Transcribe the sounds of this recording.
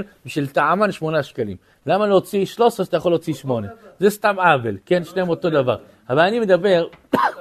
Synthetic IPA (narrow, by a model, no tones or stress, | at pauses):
lbiʃilt̪aʕamanʃmo̞naʃkalḭm | lamalot͡siʃlo̞seat̪ajaχo̞lːot͡siʃmo̞ne̞zest̪amavelke̞nʃneemo̞t̪o̞d̪ava̰ʁ | avalanimed̪abeʁ